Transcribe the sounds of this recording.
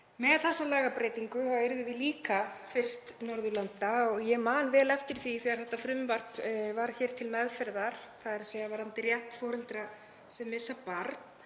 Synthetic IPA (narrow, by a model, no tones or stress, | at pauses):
mɛðθɛsːalaːɣapɾeːjt̪iŋkʏhaɪɾðʏvɪliːkafɪr̥st̪nɔɾðʏlant̪aɔɣjɛmaːnvɛːlɛft̪ɪɾ̥θiθiɣaɾ̥θɛht̪ːafɾʏmvar̥t̪vaɾ̥çɛːɾ̥t̪ʰɪlmɛðfɛɾðaɾ̥θaðɛɾsɛːɣavaɾant̪ɪɾjaht̪fɔːɾʏlt̪ɾa | sɛmːɪsːapaɾt̪n